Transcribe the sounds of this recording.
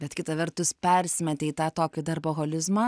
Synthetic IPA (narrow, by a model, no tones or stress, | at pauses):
bʲɛt̪kʲɪt̪ɐʋʲɛrt̪ʊspʲɛɾʲsʲmʲɛt̪ʲɛit̪ɑːt̪oːkʲɪd̪ɐrboːɣoːlʲɪzmɑː